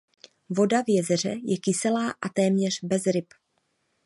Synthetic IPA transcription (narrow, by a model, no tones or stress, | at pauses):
vo̞davjɛzɛr̝ɛjɛkɪsɛlaːʔat̪ɛːmɲɛr̝bɛzɾɪp